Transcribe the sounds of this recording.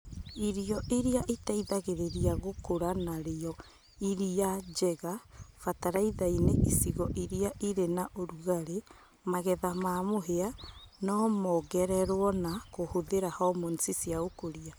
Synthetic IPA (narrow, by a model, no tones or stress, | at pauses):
iɾiɔʔiɾeaʔitaiðaɣeɾeɾiaɣokoɾanaɾeɔ | iɾiad͡ʒɛɣafataɾaiðaineʔisiɣɔʔiɾeaʔiɾenaʔoɾuɣaɾe | maɣɛðamaːmoɦeanɔmɔɣɛɾɛɾwɔnakohoðeɾahɔmonsisiaokoɾia